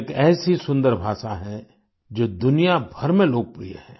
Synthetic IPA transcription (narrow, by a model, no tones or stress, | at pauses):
kɛːsisʊ̃nd̪əɾbʱaːʃaɦɛ̃ | d͡ʒoːd̪ʊnijabʱɐɾmẽloːɡ̚pɾḭjə̰ɦɛ̃ː